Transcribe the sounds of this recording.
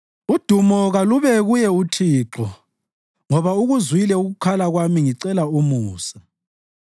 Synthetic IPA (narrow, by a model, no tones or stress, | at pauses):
ud̥ʱumɔɣaluβɛɣujɛutʰiːǁɔ | ŋɔβauɣuzwilɛuɣukʰalaɣwamiŋiǀɛlaumuːsḁ